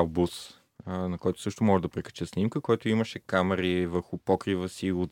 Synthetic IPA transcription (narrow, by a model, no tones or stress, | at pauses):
abus | nɐkɔjt̪ʊ̥sɤʃt̪ʊmɔʒɛd̪ɐpɾɛkə̥t͡ʃɛsnimkəkɔjt̪ʊiməʃɛkamɛɾivəɾxʊpɔkɾivəsiʊt̪